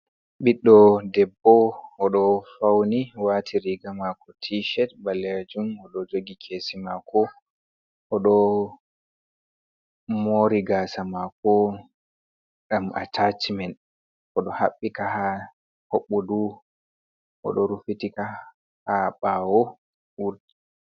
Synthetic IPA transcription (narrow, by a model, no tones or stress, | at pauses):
ɓiɗːɔdɛbːɔɔɗɔfawniwatʰiɾiɡamakɔtʰiʃɛt̚balːed͡ʒumɔɗɔd͡ʒoɡikʰeːsimakʰɔ | ʔɔɗɔ | moɾiɡaːsamakɔ | ɡamʔa̰tʰat͡ʃmɛn | ʔɔɗɔhaɓːikaha | hoɓːɔdu | ʔɔ̰ɗɔɾufitika | haɓaːwɔ | wuɾd